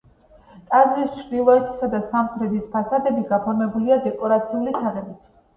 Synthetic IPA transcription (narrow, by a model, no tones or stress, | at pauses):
t̪ʼazɾist͡ʃʰɾd̪ilˠɔɛt̪ʰi̥sad̪asamχʰɾɛd̪ispʰasad̪ɛbiɡapʰɔɾmɛbuliad̪ɛkʼɔɾat̪sʰiulit̪ʰaʁɛbit̪ʰ